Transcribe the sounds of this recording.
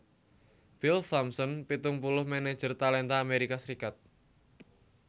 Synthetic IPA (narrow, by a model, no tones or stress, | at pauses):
b̥ɪlfamsɔnpit̪ʊŋpulʊhmɛne̥ʒ̥ərt̪alɛnt̪aːmeɾikasəɾikat̪̚